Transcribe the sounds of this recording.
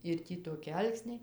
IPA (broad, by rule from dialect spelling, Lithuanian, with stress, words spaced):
ɪr ˈtʲiː toːˈkʲɪ ˈɐlˠksʲnʲɛɪ